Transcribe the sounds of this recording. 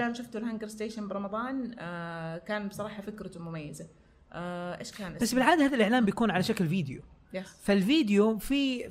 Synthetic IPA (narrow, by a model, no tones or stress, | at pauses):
laːmʃaft̪ulɦaŋɡɪɾɪst̪eːʃanbɾˤɑmɑðˤɑːn | kaːnbsˤɑɾˤɑːħɑfɪkɾɑt̪mʊmajːɪza | ʔeːʃkaːnbasːbɪlʕaːd̪ahaːðalʔɪʕlaːmbjakuːnʕalaʃaklviːd̪ɪjṵfalfiːd̪ɪjufi